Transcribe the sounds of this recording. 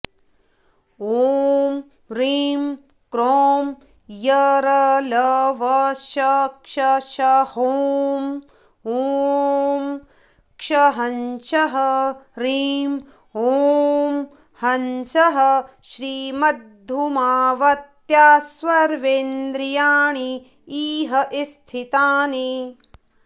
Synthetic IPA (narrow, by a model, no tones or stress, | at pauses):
om | ɾiːm | kɾoːm | jɐɾɐlɐʋɐʃɐkʂɐʃɐhoːm | oː | m | kʂɐɦɐnʃɐɦɐɾiːm | ɦoːm | hɐnʃɐɦɐʃɾiːmɐd̪ʱumaːʋɐt̪jaːsʋɐɾʋeːnd̪ɾijaːɳi | iːɦɐʔist̪ʰit̪aːni